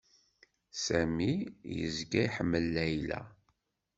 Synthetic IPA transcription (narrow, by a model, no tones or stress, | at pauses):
sæmijə̰zɡæiħəmːəlːæjlæ̰